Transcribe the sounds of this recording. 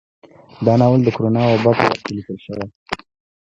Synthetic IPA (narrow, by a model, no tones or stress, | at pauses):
d̪ɑnɑwəld̪əkoɾonɑwabɑpə̰wa̰xk̪elikəlʃəwa